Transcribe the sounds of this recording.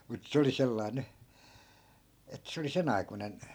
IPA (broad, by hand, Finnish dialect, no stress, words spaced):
mut se oli selːɑi̯ ny et se oli sen ɑikunen